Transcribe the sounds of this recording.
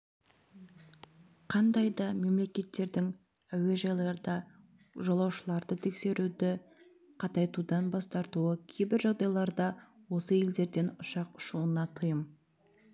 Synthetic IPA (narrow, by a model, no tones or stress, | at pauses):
qʰɑnd̪ɑjd̪ɑme̞mle̞kʲe̞t̪ːe̞ɾd̪ɪŋ | æwe̞ʒɑjlˠɑɾd̪ɑ | ʒɑlˠɑwʃəlˠɑɾd̪ət̪ʰe̞kse̞ɾud̪ɪ | qʰɑt̪ɑjt̪ud̪ɑnbɑst̪ɑɾt̪uəkʲʰejbɪɾʒɑʁd̪ɑjlˠɑɾd̪ɑ | wo̞səe̞ld̪e̞ɾd̪e̞nʊʃɑqʊ̥ʃuənɑt̪ʰəjəm